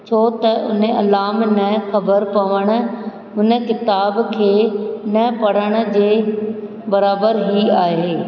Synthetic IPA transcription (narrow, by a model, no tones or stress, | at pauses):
t͡ɕʰoːt̪ɐʔʊ̰neɐlaːmnɐxɐbəɾpɐʋəɽ̃̆ | ʊnəkɪt̪aːbkʰeːnɐpɐɽ̤əɽ̃̆d͡ʑeː | bɐɾaːbəɾɦiaːɦeː